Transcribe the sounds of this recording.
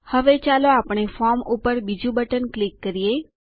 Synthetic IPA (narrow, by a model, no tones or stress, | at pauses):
həʋet͡ʃaloapɳ̃efɔɾmupəɾbid͡ʒũbəʈənklikːəɾije